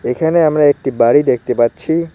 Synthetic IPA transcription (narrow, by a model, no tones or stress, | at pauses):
ekʰaneamɾaek̚ʈibaɾid̪ekʰt̪epatːɕʰi